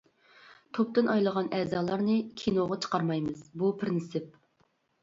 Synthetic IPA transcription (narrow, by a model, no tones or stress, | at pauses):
t̪ʰop̚t̪ɨnʔɑjlˠəʁɑnɛːzɑːlˠɑɾnɨkʲʰinoʁɑt͡ʃʰə̥qɑɾmɑjmɨz̥bupʰɪɾnsɪp̚